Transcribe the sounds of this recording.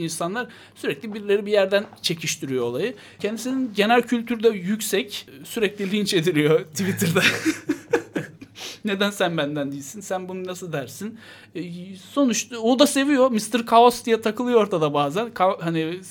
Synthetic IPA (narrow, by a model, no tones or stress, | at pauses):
insanlˠaɾ | syɾɛclʲibiɾlʲe̞ɾibijæɾd̪ænt͡ʃʰe̞cʰiʃt̪ʰiɾijo̞olˠajɯ | cʰɛnd̪isininɟe̞nælʲcʰylʲt̪ʰyɾd̪ɛjycsɛcsyɾɛclʲilʲint͡ʃe̞d̪ilʲijo̞t̪ʰivit̪ʰɯɾd̪ɛ | ne̞d̪ænsænbænd̪ænd̪ijilʲsinsænbununasɯlˠd̪æɾsin | so̞nuʃaod̪ase̞vijo̞mist̪ɯɾkʰaosd̪ijɛt̪ʰakɯlˠɯjooɾt̪ʰad̪abaːzænkʰahani